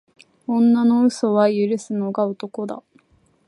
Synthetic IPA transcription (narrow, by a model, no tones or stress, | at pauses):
õ̞nːano̞ɯ̟so̞βajɯ̟ɾɯ̟sɨno̞ɡaot̪o̞ko̞d̪a̰